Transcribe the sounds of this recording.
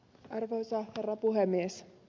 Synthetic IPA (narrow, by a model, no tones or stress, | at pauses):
ɑrʋoisɑherːɑpuɦemːies